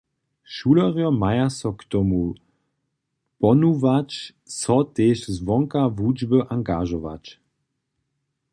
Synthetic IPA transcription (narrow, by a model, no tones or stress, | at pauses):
ʃulɔʁjɔmajasɔkt̪ɔmu | pɔnuvat͡ʃ | sɔteːʃzvɔŋkavud͡ʒbəʔaŋɡaʒɔʋa̰t͡ʃ